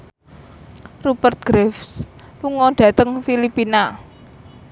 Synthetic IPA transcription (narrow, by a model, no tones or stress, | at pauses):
rubərt̪̚ɡ̥ɾɛfs | luŋɔɖ̥ä̤t̪əŋfilipina